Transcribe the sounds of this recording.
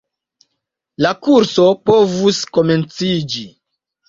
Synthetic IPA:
lakuɾso̞po̞vusko̞me̞nt͡sid͡ʒi

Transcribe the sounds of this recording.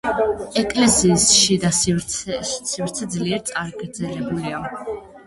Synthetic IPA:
ɛkʼlɛsiːsʃid̪as | sivɾt̪sʰɛd̪zliɛɾt̪sʼaɾɡɾd̪zɛlɛbulia

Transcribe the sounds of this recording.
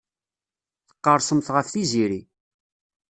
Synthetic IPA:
θə̥qːəɾˤsəmθʁəfθiziɾi

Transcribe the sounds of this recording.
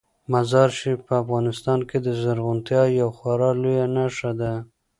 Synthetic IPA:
mazɑɾʃipəafɣɑnɪst̪ɑnked̪əzaɾɣʊnt̪jɑjawxwaɾɑlojanaʃad̪a

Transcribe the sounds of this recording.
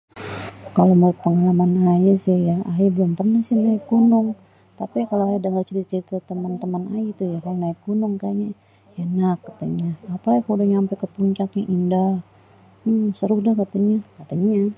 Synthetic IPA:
kaloməɾt̪̚pəŋalamanajasɪhjaaabəlʊmpərnahsɪnaɪk̚ɡunʊŋ | t̪apikaloajadəŋərt͡ʃəɾit̪at͡ʃəɾit̪at̪əmant̪əmana̰jit̪ujakalonaɪk̚ɡunʊŋkaɲa | janakːat̪aɲaːpalaɡikudaɲaampakəpuɲt͡ʃakɲaʔinda | səɾʊhdahkat̪aɲakat̪aɲa

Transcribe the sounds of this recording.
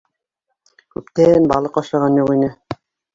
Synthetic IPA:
kʉpt̪ænbɑlˠɤqɑʃɑʁɑnjuʁinɘ

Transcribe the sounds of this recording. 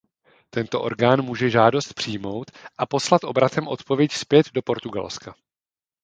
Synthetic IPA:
t̪ɛnt̪o̞̰ʔo̞̰ɾɡaːnmuːʒɛʒaːdo̞st̪̚pr̥ijmo̞wt̪ʔapo̞slat̪ʔo̞bɾat̪ɛmʔo̞t̪po̞vjɛcspjɛd̪do̞po̞ɾt̪uɡa̰lska

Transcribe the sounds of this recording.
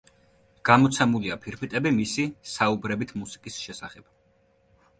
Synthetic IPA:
ɡ̥amɔt̪sʰɛmuliapʰiɾpʰit̪ʼɛbimisisaubɾɛbit̪ʰmusi̥kʼisʃɛsaχɛb̥̚

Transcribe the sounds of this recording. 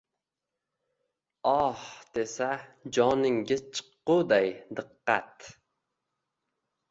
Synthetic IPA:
ɒhd̪̥esad͡ʒɒnɪŋɡʲɪzt͡ʃʰɨ̥qːʊd̪ajd̪ɨqːɑ̰t̪

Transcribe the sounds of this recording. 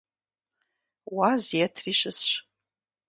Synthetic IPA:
wazjatʰriʃɨsʃ

